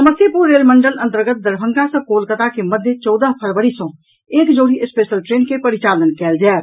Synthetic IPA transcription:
səməsjəpuɾːeːlmə̃ɳɖələ̃nt̪əɾɡət̪̚d̪əɾbʱə̃ŋɡãsə̃koːlkət̪akeməd̪ʱjet͡ʃɔːd̪əɦpʰəɾʋəɾisõ | eːkd͡ʒoːɽiʔɪspeːʃəlʈɾeːnkepəɾɪt͡ʃaːlənkɛːld͡ʒaː

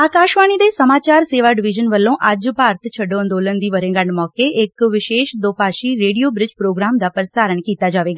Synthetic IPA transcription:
aːkaːʃʋaːñid̪esəmaːt͡ʃaːɾseːʋaɖɪʋɪd͡ʒənʋəlːõʔaːd͡ʒpaːɾt̪ʰt͡ʃʰəɖõənd̪oːlənd̪iʋəɾẽɡaɳɖmɔːkeekʋɪʃeːʃd̪oːpaːʃiɾeːɽijobɾɪd͡ʒpɾoːɡɾaːmd̪apəɾsaːɾəɳkiːt̪ad͡ʒaːʋeɡa

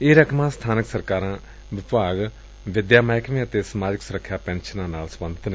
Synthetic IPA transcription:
eːɾəkʰmãːst̪ʰaːnəksəɾkaːɾãː | ʋɪpaːɡ | ʋɪd̪jaːmaːjkʰʋẽːət̪eːsəmaːd͡ʒɪksʊɾəkʰːjaːpɛ̃ːnʃənãːnaːlsəbə̃nd̪ət̪nː

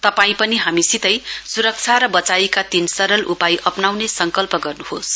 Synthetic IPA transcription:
t̪ʌpaĩpʌniɦamisit̪ʌjsuɾʌk̚t͡sʰaɾʌbʌt͡saikat̪insʌɾʌlʔupajʔʌpnawnesʌŋkʌlpʌɡʌrnuhos

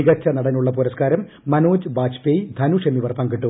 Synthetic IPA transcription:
iɣɐt͡ɕʰːɐnɐɽɐnuɭːɐpuɾɐskaːɾɐmː | ɐnoːd͡ʑɨbaːt͡ɕpejd̪ʱɐnuʂemiʋɐrpaːŋɡiʈːu

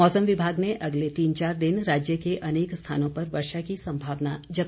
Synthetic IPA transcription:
mɔːsəmʋɪbʱaːɡneʔɐɡlet̪iːnt͡ʃaːɾd̪ɪnɾaːd͡ʒjəkeʔɐneːkst̪ʰa̰ːnõpɐɾʋɐɾʃakisɐ̃mbʱaːʋnad͡ʒɐt̪

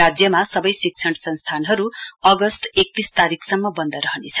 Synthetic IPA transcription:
ad͡zjʌmasʌbʌjsik̚t͡sʰʌɳʈsʌ̃nst̪ʰanɦʌɾuʌɡʌst̪ek̚t̪ist̪aɾikʰsʌmːʌbʌnd̪ʌɾʌɦʌnet͡sʰʌ̥

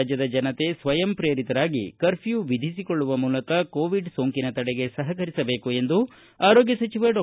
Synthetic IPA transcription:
d͡ʒjɐd̪ɐd͡ʒɐnɐt̪e̞sʋɐjɐmpɾeːɾit̪ɐɾaːɡḭkɐɾpʰijuʋid̪ʱisiko̞ɭːuʋɐmuːlɐkɐkoːʋiɖsoːŋkinɐt̪ɐɽɛɡe̞sɐɦɐkɐɾisɐbe̞ːkue̞nd̪u | aːɾoːɡjɐsɐt͡ʃiʋɐɖ

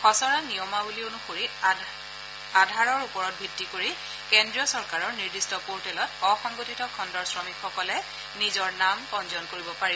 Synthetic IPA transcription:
xɔsɔɹanijɔmabulionuxoɹi | adʱaɹɔɹupɔɹɔt̚bʱidʱːikoɹi | kendɹiɔsɔɹkaɹɔɹniɹdistɔpoɹtɛlɔtɔxɔŋɡotitɔkʰɔndɔɹsɹɔmikxɔkɔlɛ | nizɔɹnamkɔnzɔnkoɹibɔpaɹi

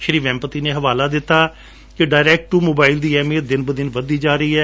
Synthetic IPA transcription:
ʃəɾiːʋɛ̃ːmpət̪iːneːɦəʋaːlaːd̪ɪt̪ːaː | keɖaːɪɾɛːk̚ʈʈuːmoːbaːɪld̪iːɛːmiːd̪ɪnbəd̪ɪnʋəd̪iːd͡ʒaːɾəiːɛː

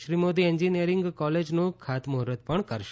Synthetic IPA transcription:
ʃɾimod̪ieɲd͡ʒinijəɾɪŋɡkɔled͡ʒnũkʰat̪mʊɦɾət̪̚pəɳkəɾʃ

